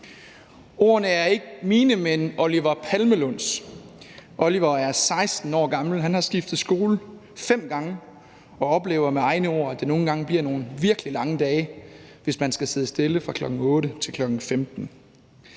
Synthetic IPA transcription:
o̝ɐ̰nəæɐe̝ɡ̥əmiːnəmenɔliʋɐpʰælməlɔn̰s | ʔɒliʋɐæɐsɑ̈ɪsd̥n̩ɒ̰ːɡ̥ɑ̈ml̩ɦænhɑ̈sɡ̥ifd̥ð̩ˠsɡ̥o̝ːlə | fem̰ɡ̥ɑ̈ŋə | ɒ̽ɒ̽b̥le̝ːʊɐmeɑ̈ɪnəo̝ɐ̰æd̥eno̝ːn̩ɡ̥ɑ̈ŋəb̥liɐ̰no̝ːn̩ʋiɐɡ̥əlilɑ̈ŋəd̥ɛːɪʋe̝smænsɡ̥æseðˠəsd̥e̝ləfʁɑ̈kʰlɒ̽ɡ̥ŋ̩ɔ̽ːɾ̥ət͡sʰe̝lkʰlɒ̽ɡ̥ŋ̩femd̥n̩

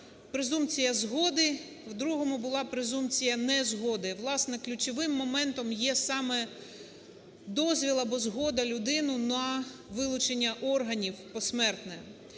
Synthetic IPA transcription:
pɾezumpt͡sʲijɐzɦɔd̪ɪ | wd̪ɾuɦɔmʊbʊlˠɑpɾezumt͡sʲijɐnɛzɦɔd̪ɪʋlˠɑsnɛklʲʊt͡ʃɔʋɪmːɔmɛnt̪ɔmjɛsɑmɛ | d̪ɔzʲʋʲilˠɐbɔzɦɔd̪ɐlʲʊd̪ɪnʊnɐʋɪlˠʊt͡ʃenʲːɐʔɔrɦɐnʲiwpɔsmɛrt̪nɛ

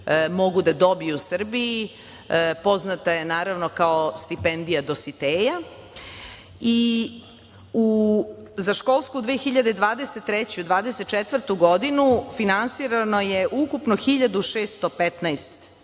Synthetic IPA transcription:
mo̞ɡud̪ad̪o̞bijusr̩bii | po̞znat̪ajenaːɾaʋno̞kaost̪ipend̪ijad̪o̞sit̪eːja | i | u | zaʃko̞lˠskud̪ʋeːxiʎad̪ed̪ʋaːd̪eset̪ːɾet͡ɕuud̪ʋaːd̪eset̪̚t͡ʃet̪ʋər̩t̪uɡo̞d̪inufinansiɾano̞jeʔukupnoxiʎad̪uʃeːst̪opet̪najst̪

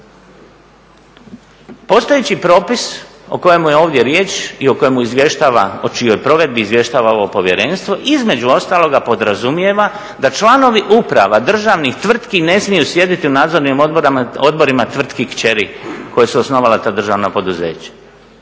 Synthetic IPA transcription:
po̞st̪ojet͡ɕipɾo̞ːpis | o̞̰ko̞jemujeo̞ːʋd̪je̞ɾje̞ːt͡ʃio̞ko̞jemuizʋje̞ʃt̪aːʋa̰ot͡ʃijo̞jpɾo̞ʋe̞d̪̚biːzʋje̞ʃt̪aːʋaoʋopo̞ʋje̞ɾe̞ːnst̪ʋo̞ʔizme̞d͡ʑuo̞st̪aːlo̞ɡapo̞d̪ɾazumje̞ʋa | d̪at͡ʃlˠaːno̞ʋiʔupɾa̰ʋad̪r̩ʒaʋnixt̪ʋr̩t̪kine̞smijusje̞d̪it̪iunaːd̪zo̞ɾnimɾo̞d̪̚bo̞ɾimat̪ʋr̩t̪kikt͡ɕe̞ɾikʰo̞jesuosno̞ʋalat̪aːd̪r̩ʒaːʋnapo̞d̪uzḛːt͡ɕḁ

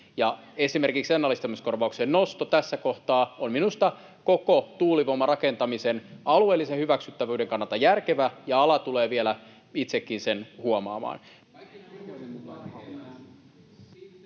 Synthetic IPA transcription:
jɑe̞sime̞rkiksenːɑlːist̪ɑmisko̞rʋɑuksennost̪ot̪æsːæko̞ht̪ɑːomminust̪ɑ | kokot̪uːliʋomːɑrɑke̞nt̪ɑmisenɑlue̞ːlːisehyʋæksyt̪ːæʋøːdeŋkɑnːɑlt̪ɑjærkeʋæjɑɑlɑt̪uleːʋielæ | it̪sekːinsenhuomɑ̰ːmɑ̰ːn

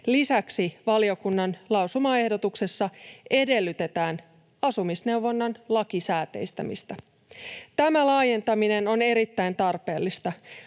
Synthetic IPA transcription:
lisæksiʋɑlio̞kunːɑnlɑwsumɑe̞hdo̞t̪ukse̞sːɑe̞de̞lːyt̪e̞t̪æːn | ɑsumisne̞uwʋo̞nːɑnlɑkisæːt̪e̞̰jst̪æ̰mḭst̪æ | t̪æmælɑːje̞nt̪ɑmine̞no̞ne̞ɾit̪ːæjnt̪ɑrpe̞ːlːist̪ɑ

